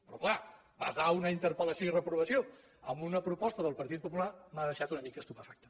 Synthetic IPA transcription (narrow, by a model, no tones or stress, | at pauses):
pɾɔkla | ba̰zaunəint̪əɾpələsjoirəpɾuβ̞əsio | əmbunəpɾupɔst̪əðəlˠpəɾt̪it̪̚pupulamaðəʃat̪unəmikəst̪upəfak̚t̪ə